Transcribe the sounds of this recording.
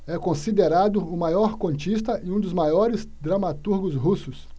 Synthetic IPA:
ɛkõsid̪eɾad̪ʊʊmajɔɾkõt͡ʃist̪ɐʔɪũd̪ʊzmajɔɾɪzd̪ɾɐmat̪uɾɡʊsɦusʊs

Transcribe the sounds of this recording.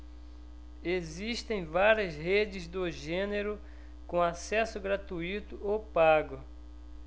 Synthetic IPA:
eziʃt̪ẽj̃vaɾiɐsɦed͡ʒɪzd̪ʊʒẽneɾʊ | kõasɛsʊɡɾat̪uit̪ʊopaɡʊ

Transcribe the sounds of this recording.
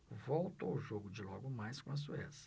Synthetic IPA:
vowt̪o̰ʊʒoɡʊd͡ʒɪlɔɡʊmajskõɐs̬uɛs

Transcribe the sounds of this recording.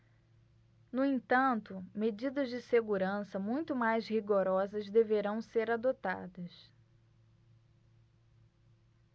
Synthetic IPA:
nuẽt̪ɐ̃nt̪ʊmed͡ʒid̪ɐzd͡ʒɪseɡuɾɐ̃sɐmũj̃t̪ʊmajzhiɡoɾɔzɐzd̪eveɾɐ̃w̃seɾad̪ot̪a̰d̪ɐs

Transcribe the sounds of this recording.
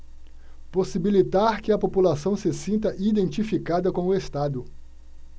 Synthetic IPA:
posibilit̪aɾkɪɐpopulasɐ̃w̃sɪsĩnt̪ɐʔid̪ẽnt͡ʃifikad̪ɐkõʊest̪ad̪ʊ

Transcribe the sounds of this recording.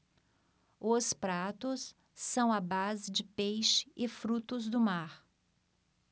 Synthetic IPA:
ʊspɾat̪ʊsː | ɐ̃w̃ɐbazɪd͡ʒɪpejʃɪ̥ʔɪfɾut̪ʊzd̪ʊmaɾ

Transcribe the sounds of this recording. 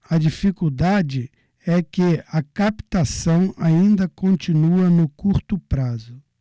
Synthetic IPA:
ɐd͡ʒifikuwd̪ad͡ʒɪ | ɛkɪɐkapt̪asɐ̃w̃aĩnd̪ɐkõnt͡ʃĩnuɐnʊkuɾt̪ʊpɾazʊ

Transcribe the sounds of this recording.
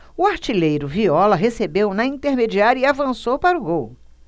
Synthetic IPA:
ʊaɾt͡ʃilejɾʊviɔlɐɦesebewnɐĩnt̪eɾmed͡ʒiaɾɐiavɐ̃sowpaɾʊɡow

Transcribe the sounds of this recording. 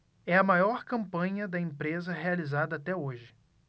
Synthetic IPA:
ɛɐmajɔɾkɐ̃mpɐ̃ɲɐd̪ɐẽpɾezɐhealizad̪ɐːt̪ɛoʒɪ

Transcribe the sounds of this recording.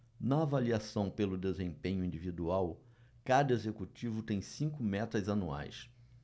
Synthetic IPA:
nɐːvaliasɐ̃w̃pelʊd̪ezẽpẽɲʊĩd͡ʒivid̪uaw | kad̪ɐezekut͡ʃivʊt̪ẽj̃sĩkʊmɛt̪ɐzanua̰js

